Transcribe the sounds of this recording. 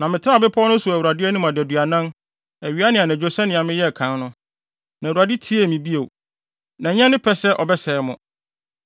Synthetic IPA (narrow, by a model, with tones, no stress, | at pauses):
nã˨mɪ̃˨tʰɪ˦ã˦˨bɪ˦pʰɔ˦nʊ̃˦su˨æ˨wu˨ɾa˨dɪ˦ɛ˦nɪ̃˦mã˨dɪ˨æ˨du˨a˨nã˦n | æ˨ɥi˨˦a˦nɪ̃˨a˨nã˨d͡ʑᶣo˦sɛ̃˦nɪ̃˨a˨mɪ̃˦jɛ˦˨kʰã˨˦nnʊ̃˦ | nã˨u˨a˨dɪ˦tʰi˦e˦˨mĩ˨bi˦e˨ | nã˨˦ɲã˦nɪ̃˦pʰɛ˦sɛ˦ʔɔ˨bɛ˦sɛ˨˦mʊ̃˨